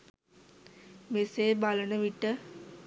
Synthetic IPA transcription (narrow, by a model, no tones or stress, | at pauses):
meseːbɐlɐnəʋiʈːə